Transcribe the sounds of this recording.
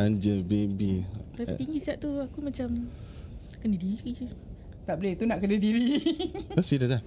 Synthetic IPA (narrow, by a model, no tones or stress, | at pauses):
and͡ʒəbebilapit̪iŋɡisiaʔ̚t̪uakumat͡ʃam | kənədiɾi | t̪aʔbolet̪unaʔkədadiɾiosilaa